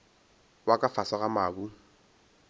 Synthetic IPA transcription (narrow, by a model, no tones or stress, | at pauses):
wakʼafasaɣamaːbu